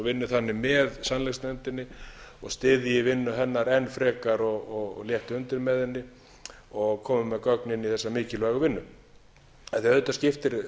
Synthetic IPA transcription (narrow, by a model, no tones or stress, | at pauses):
vɪnːɪθanːɪmɛðsanlɛst̪nɛnt̪ɪnːɪɔɣst̪ɪːðɪjɪvɪnːʏɦɛnːaɾɛnːfɾɛːkaɾɔɣɔɣljɛht̪ʏnt̪ɪɾmɛːðɪnːɪ | ɔɣkʰɔːmʏmɛðkœknɪnːiθɛsːamɪːcɪlvaːɣʏvɪnːʏ | ɛnθjaœːt̪ascɪft̪ɪɾ